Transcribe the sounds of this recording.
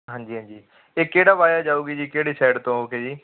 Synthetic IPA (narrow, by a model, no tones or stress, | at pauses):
ɦãːnd͡ʒiːɦãnd͡ʒiː | eːkeːɽaːbaːjaːd͡ʒaːuːɡiːd͡ʒiːkeːɽeːsɛːɖt̪õːɦoːkeːd͡ʒiː